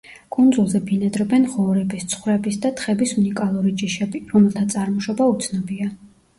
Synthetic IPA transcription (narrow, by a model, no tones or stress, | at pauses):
kʼund̪zulˠzɛbinɛd̪ɾɔbɛnʁɔɾɛbist̪sʰχwɾɛbisd̪at̪ʰχɛbisunikʼalˠuɾid͡ʒiʃɛbiɾɔmɛlˠt̪ʰat̪sʼaɾmɔʃɔbaut̪sʰnɔbia